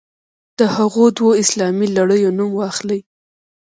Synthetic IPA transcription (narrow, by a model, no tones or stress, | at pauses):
d̪̥əhaɣod̪woɪslɑmilaɽəjonumwɑxləj